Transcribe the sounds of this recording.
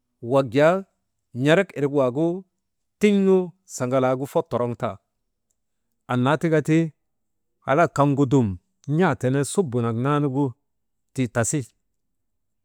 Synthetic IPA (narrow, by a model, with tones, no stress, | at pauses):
wa˨ɡja˦ | ɲa˦ɾe˦ke˨ɾɡu˦wa˨ɡu˦ | ti˦ɲnu˦ | sa˨ŋɡa˨la˨ɡu˦fo˦tːɔ˨ɾɔ˦ŋta̰˨ | a˨nːa˨˦ti˦ɡa˦ti˦ | ha̰˨la˦ka˨ŋɡu˦du˨m | ɲa˦˨te˨ne˦su˦bu˨na˨kna˦nu˦ɡu˦ | ti˨ta˨si˦